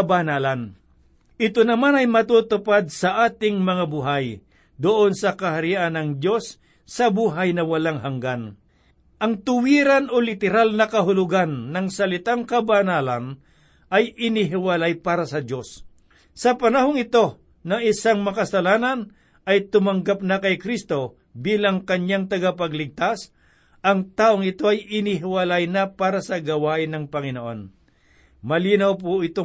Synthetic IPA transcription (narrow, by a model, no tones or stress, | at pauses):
ɐbanaːlan | ʔɪt̪onɐmanɐjmɐt̪uːt̪ʊpad̪̚sɐʔaːt̪ɪŋmɐŋabuɦaj | d̪ʊʔonsɐkɐhaɾiʔanːɐŋd̪jo̞sː | ɐbuːɦajnɐwɐlaŋhaŋɡan | ʔɐŋt̪ʊwiːɾanʔolɪt̪ɛɾalnɐkɐɦʊlʊɡanːɐŋsɐlɪt̪aŋkɐbanaːlan | ʔɐjʔɪnɪɦɪwɐlajpaːɾɐsɐd͡ʒo̞sː | ɐpɐnɐɦoŋɪt̪o̞ | nɐŋɪsaŋmɐkɐsɐlaːnɐn | ɐjt̪ʊmɐŋɡap̚nɐkɐjkɾist̪o̞ | biːlɐŋkɐɲaŋt̪ɐɡapɐɡlɪɡ̚t̪as | ʔɐŋt̪aːʔoŋɪt̪o̞ʔɐjɪniɦɪwɐlajnapaːɾasɐɡɐwaːʔɪnɐŋpɐŋɪnoʔo̞n | mɐliːnɐwp̬oʔɪt̪o